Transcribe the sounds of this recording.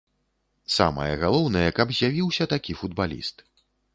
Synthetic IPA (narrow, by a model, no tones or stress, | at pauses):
sa̰mɐ̰jɐɣalˠɔwnɐjɛkɐbzʲjavʲiwsʲɐt̪akʲifud̪̚balʲḭst̪